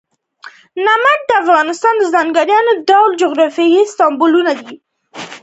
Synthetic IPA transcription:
namaʈ̚d̪əafɣɑnɪst̪ɑnd̪əzɑŋɡaɾjɑnodawld͡ʒʊɣɾɑfjɑjist̪ɑmbʊlunad̪i

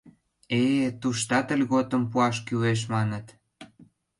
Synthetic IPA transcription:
et̪uʃt̪ɑt̪ə̆lʲɣot̪ə̆mpuɑʃkyweʃ̬mɑnət̪

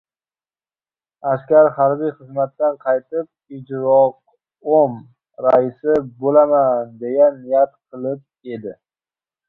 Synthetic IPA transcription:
askʲaɾhaɾbijχɨzmat̪ːanqʰɑjt̪ɪp̚ɪd͡ʒɾɒq | om | ɾaɪsɪbolamand̪e̞janːɪjat̪qʰɨlˠɪp̚e̞d̪ɪ

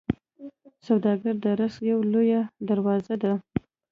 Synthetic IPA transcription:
sawd̪ɑɡaɾd̪əɾasjawlojad̪aɾwɑzad̪a

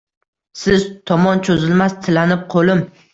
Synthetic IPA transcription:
sɪzt̪ʰɒmɒnt͡ʃʰozɪlmast̪ʰɪlanɪp̚qʰolɪm

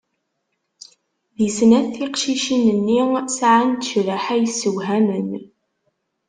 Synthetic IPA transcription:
ðisnæθiqʃiʃinənːisʕant̪ːə̥ʃɾəħæjəsːəwɦænən

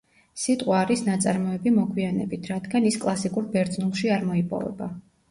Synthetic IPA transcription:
sit̪ʼqʼwaːɾisnat̪sʼaɾmɔɛbimɔkʰwianɛ̰bit̪ʰɾat̪ɡaniskʼlˠasikʼuɾbɛɾd̪znulˠʃiaɾmɔipʼɔ̰vɛ̰ba

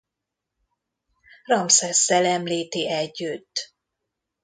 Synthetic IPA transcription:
rɒmsɛsːɛlɛmliːt̪iɛɟːyt̪ː

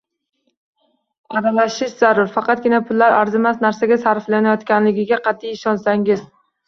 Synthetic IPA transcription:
aɾalaʃɪʃzaɾʊɾfɑqʰɑt̪̚ɡʲɪnapʰʊlːaɾaɾzɪmasnaɾsaɡʲasaɾflanajɒt̪kʲanlɪɡʲɪɡʲaqʰɑt̪ʰːijɪʃɒnsaŋɪz

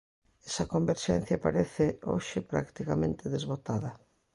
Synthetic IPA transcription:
ɛsɐkombeɾʃɛ̰n̟θjɐpaɾeθɪo̰ʃɪpɾa̰kt̪ikamẽnt̪ɪðezβot̪aðɐ

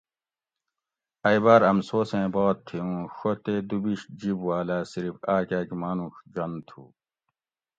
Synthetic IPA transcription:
ɐjbaːɾɐmsoːsẽːbaːt̪ʰːiũːɕot̪ed̪ubiɕd͡ʑibwaːlasiɾifaːkaːkmaːnũɕd͡ʑɐnt̪ʰṵː

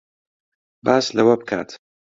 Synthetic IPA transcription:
baːslɐwɐb̚kʰa̰ːt̪

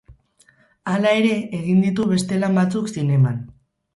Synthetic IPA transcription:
alae̞ɾe̞ːɣind̪it̪̬uβe̞st̪e̞lambat͡suksine̞man

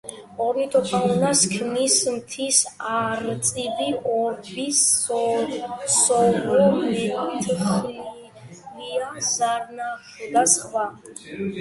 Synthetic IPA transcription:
ɔɾnit̪ʰʼɔpʰaunaskʰnismt̪ʰisaɾmt̪sʼibiʔɔɾbisɔ | sɔvɔmit̪ʰχ | liazaɾnaχd̪asχva

